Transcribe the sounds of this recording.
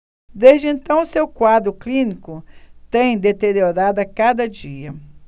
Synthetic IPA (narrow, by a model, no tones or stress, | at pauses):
d̪ezd͡ʒɪẽnt̪ɐ̃w̃ʊsewkwad̪ɾʊklĩnikʊt̪ẽj̃d̪et̪eɾioɾad̪ɐkad̪ɐd͡ʒiɐ